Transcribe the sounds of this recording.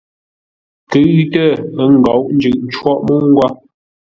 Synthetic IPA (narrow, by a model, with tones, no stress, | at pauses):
kə˨˦tə˦ə˦ŋ˨ɡa˨˦wʔn̩˦d͡ʒʉ˨ʔn̩˦t͡ʃwɔ˦˨ʔmu˦ŋ˦ɡwa˦